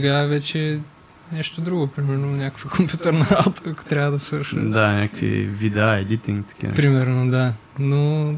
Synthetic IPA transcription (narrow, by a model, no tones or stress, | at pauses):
sɛɡaɛvɛt͡ʃɛ | nɛʃt̪od̪ɾuɡopɾimɛɾnonʲakə̥fəkompʲjut̪əɾnɐalt̪əɐko̥t̪ɾʲavəd̪ɐsvəɾʃəd̪anʲakə̥kvḭvid̪aɛd̪it̪iŋt̪ɐ̥ka̰pɾimɛɾnod̪a | no